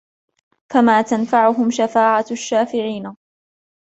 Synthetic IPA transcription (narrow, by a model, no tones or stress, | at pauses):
famaːt̪anfaʕʊɦʊmʃafaːʕaʃːaːfɪʕiːna